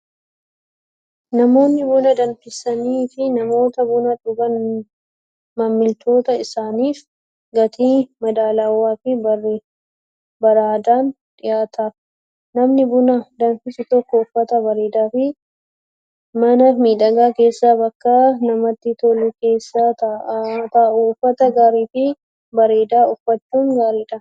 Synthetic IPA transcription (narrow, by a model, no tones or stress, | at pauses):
nɐmo̞ːnːɪbʊnɐd̪ɐnfɪsɐniːfɪnɐmo̞ːt̪ɐbʊnɐᶑʊɡɐn | mɐmːɪlt̪ʰo̞ːt̪ɐɪsaːniːf | ɡɐt̪ʰiːmɐd̪aːlɐwːaːfɪbɐr | bɐɾaːd̪aːn | ᶑ̪ɪjaːt̪ʰaː | nɐmnɪbʊnɐd̪ɐnfɪsɪt̪ɔkːɔʊfːɐt̪ɐbɐɾeːd̪aːfɪ | mɐnɐmiːᶑɐɡaːke̞ːsːaːbɐkːaːnɐmɐt̪ːɪt̪ɔlʊke̞ːsːaːt̪ɐʔat̪ɐːʔuʊfːɐt̪ɐɡaːɾiːfɪ | bɐɾe̞ːd̪aːʊfːɐtːuːŋɡaːɾiːᶑɐ